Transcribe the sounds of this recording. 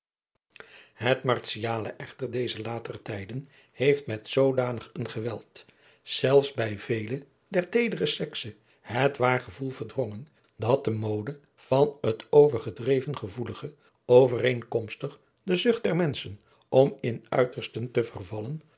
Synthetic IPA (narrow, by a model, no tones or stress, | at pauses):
ɦətmɑrsijaːlə̰ʔɛχtəɹdejzəlaːtərətɛjdən | hejftmɛtsowdaːnəχənχəʋɛlˠt | z̥ɛlˠfsbɛjvejlə | dɛɹtejdərəsɛksə | hətʋaːɹχəvulˠvəɹdrɔŋən | dɑt̚dəmoːdə | v̥ɑnətowvəɹχədrejvənχəvuləχə | owvəreŋkɔmstəχ | dəzʏχt̚d̥ɛɹmɛnsən | ɔmɪnœ̰ɥtəɹstəntəvərvɑlən